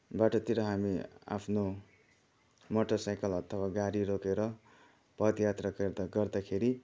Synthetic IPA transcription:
baʈʌt̪iɾʌɦamia̰pʰno | moʈʌsajkʌlʌt̪ʰʌbaɡaɾiɾokeɾʌ | pʌd̪jat̪raked̪ɡʌrd̪akʰeɾi

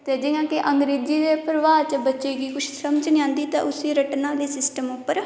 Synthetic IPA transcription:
t̪eːd͡ʒɪjãːkeʔəŋɡɾeːd͡ʒiːd̪eːpɾəʋaːt͡ʃəbət͡ʃeːɡiːkʊt͡ʃʰsəməd͡ʒnĩãːnd̪iːt̪ã̰ːʔʊseːɾəʈnãːd̪eːsɪsʈəmʊpːəɾ

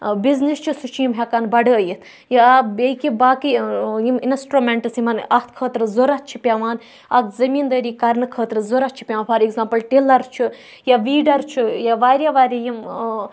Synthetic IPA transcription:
biznist͡ʃʰisut͡ʃʰjimɦʲekanbɐɖəəjit̪ʰ | jabʲekibaːkijiminsʈɾomʲeɳʈɨsimɐnɐt̪ʰkʰəːt̪ɾɨzoɾɐt͡ʃʰipʲjaʋaːn | ɐkzɐmiːnd̪əːɾiːkɐɾnɨkʰəːt̪ɾɨzoɾɐt͡ʃʰi̥pʲjaʋanpʰɐɾekzaːmpɐlʈeːlɐɾt͡ʃʰi | jaʋiːɖɐɾt͡ʃʰijaʋaːɾʲjaʋaːɾʲijim

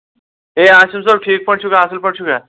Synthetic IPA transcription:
eaɕimsəb̚ʈʰiːk̚pəɳt͡ʃʰukaəsəlpəɳt͡ʃʰuka

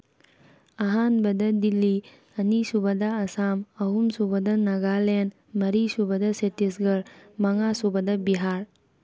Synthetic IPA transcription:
ɐɦaːnbɐd̪ɐd̪ilːi | ɐnisubɐd̪aɐsaːmɐɦumsubɐd̪ɐnɐɡaːlen | mɐɾisubɐd̪ɐset̪isɡɐɾmɐŋaːsubɐd̪ɐbiɦaːɾ

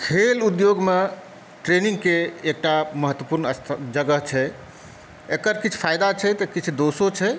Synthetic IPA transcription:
kʰelud̪joɡme | ʈɾenĩŋɡkeːk̚ʈaməɦət̪ːwəpuɾnəst̪ʰd͡ʒəɡəɦt͡ʃʰɛ | ekəɾkit͡ʃʰpʰajd̪at͡ʃʰɛt̪əkit͡ʃʰd̪osot͡ʃʰɛ

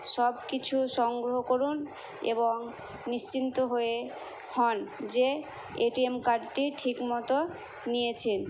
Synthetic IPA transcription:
ʃɔb̚kit͡ɕʰuʃɔŋɡɾoɦokoɾun | ḛboŋ | niʃt͡ɕint̪oɦoe | hɔnd͡ʑe | eʈiemkaɾɖʈiʈʰikmɔt̪o | nijet͡ɕʰen

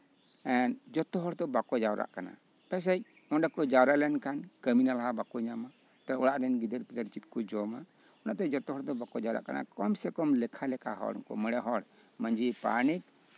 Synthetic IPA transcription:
ɛnd͡ʒɔt̪ɔɦɔɽt̪ɔbakɔd͡ʒawɾʔa̰ʔkana̰ | pɛs̬ɛc̚ | ɔnɖakɔd͡ʒawɾaʔlɛnkankəminalaɦabakɔɲama | t̪aɔɽaʔɾɛnɡid̪əɾkid̪əɾt͡ʃit̪̚kɔd͡ʒɔma | ɔnaʔt̪ɛd͡ʒɔt̪ɔɦɔɾd̪ɔbakɔd͡ʒawɾa̰ʔkana̰kɔmsɛkɔmlɛkʰalɛka̰ɦɔ̰ɽ̰kɔ̰məɽɛɦɔɽ | məɲd͡ʒipa̰nik̚

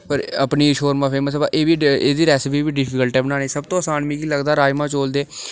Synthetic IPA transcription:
pəɾəpniːʃoːɾmãːfeːmət̪ba̰ʔeːʋiːeːd̪iːɾɛːsɪp̬iːʋiːɖɪpʰɪkəlʈɛːbənãːneːsəb̚t̪õːsaːnmiːkiːləɡd̪aːɾaːjmaːt͡ʃoːld̪eː

